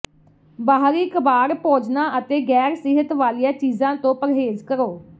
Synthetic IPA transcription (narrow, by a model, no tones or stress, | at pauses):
baːɦɾiːkəbaːɾpoːd͡ʒnãːʔət̪eːɡɛːɾsɪɦət̪ʋaːlijãːt͡ʃiːzãːt̪õːpəɾɦeːzkəɾoː